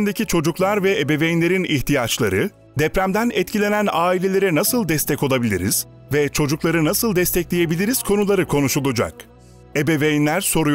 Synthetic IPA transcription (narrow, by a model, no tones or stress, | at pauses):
nd̪ecʰit͡ʃʰo̞d͡ʒuklˠaɾvɛebe̞ve̞jinlʲe̞ɾiniçt̪ʰijat͡ʃlˠa̰ɾɯ | d̪ɛpɾæmd̪ænɛt̪cʰilʲe̞nænaːilʲe̞lʲe̞ɾɛnasɯlˠd̪ɛst̪ʰɛco̞lˠabilʲḭɾḭz̥ | vɛt͡ʃʰo̞d͡ʒuklˠaɾɯnasɯlˠd̪ɛst̪ɛclʲije̞bilʲiɾiz̥kʰo̞nulˠaɾɯkʰo̞nuʃulˠud͡ʒa̰k | ebevejinlʲæɾso̞ɾu